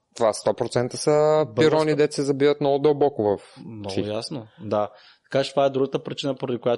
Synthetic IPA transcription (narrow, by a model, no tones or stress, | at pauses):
t̪ovast̪ɔpɾot̪sɛnt̪əsɐpiɾɔnid̪ɛt̪sɛzɐbivət̪nɔɡʊd̪ɐlˠbɔkʊvɐfmnɔɡiʊjasnod̪a | t̪ɐ̥kat͡ʃɛt̪ovaɛd̪ɾuɡət̪əpɾit͡ʃinəpoɾɐd̪ikoja